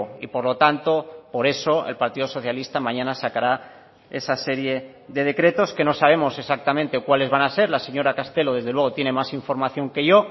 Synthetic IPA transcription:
ḭpo̞ɾlo̞t̪ant̪o̞po̞ɾe̞so̞elpaɾt̪iðo̞so̞θjalist̪amãɲãnasakaɾa | e̞sase̞ɾje̞ | ðe̞ð̞e̞kɾe̞t̪o̞ske̞no̞saβ̞e̞mo̞se̞sak̚t̪amẽnt̪e̞kwale̞zβanase̞ɾlase̞ɲoɾakast̪e̞lo̞ð̞ezðe̞lweɣ̞o̞t̪je̞ne̞masiɱfo̞ɾmaθjo̞ŋke̞ʝo̞

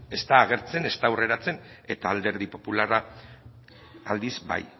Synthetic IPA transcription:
e̞st̪aːɣ̞e̞ɾt͡se̞ne̞st̪awre̞ɾat͡se̞n | e̞t̪aːld̪e̞ɾðipo̞pulara | ald̪izba̰j

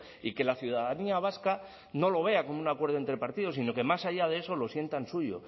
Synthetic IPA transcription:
ike̞laθjuð̞aðaniaβ̞aska | no̞lo̞β̞e̞ako̞mounakwe̞ɾð̞oent̪ɾe̞paɾt̪ið̞o̞sino̞ke̞masaʎað̞ee̞so̞lo̞sje̞nt̪ansuʝo̞̰

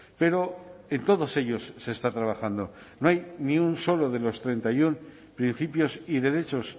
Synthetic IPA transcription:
pe̞ɾo̞e̞nt̪o̞ðo̞se̞ʎo̞sːe̞ːst̪at̪ɾaβ̞axand̪o̞ | noajnĩunso̞lo̞ð̞e̞lo̞st̪ɾe̞nt̪ajun | pɾin̟θipjo̞siðe̞ɾe̞t͡ʃo̞s

